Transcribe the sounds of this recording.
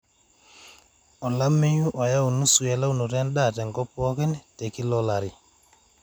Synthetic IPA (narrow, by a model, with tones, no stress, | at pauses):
ɔ˨la˦mːi˦ɲu˦ʔo˨ja˦wu˨nu˦su˨je˨la˦wnu˨ɾa˦nɗatɛ˨ŋɡɔ˦pːɔkɛ˦nte˨ki˦lɔlaɾi˨